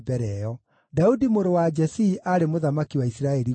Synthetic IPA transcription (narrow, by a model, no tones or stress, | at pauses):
bɛɾɛɔ | daudimoɾowad͡ʒɛsiːʔaɾemoðamakiwaisiɾaɛɾi